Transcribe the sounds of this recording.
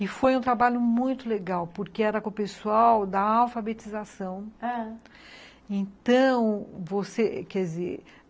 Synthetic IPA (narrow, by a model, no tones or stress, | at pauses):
ɪfojũt̪ɾabaʎʊmũj̃t̪ʊleɡawpoɾkeɛɾɐkõpesuawd̪ɐawfabet͡ʃizasɐ̃w̃a | ẽt̪ɐ̃w̃vosekɛzḛɾ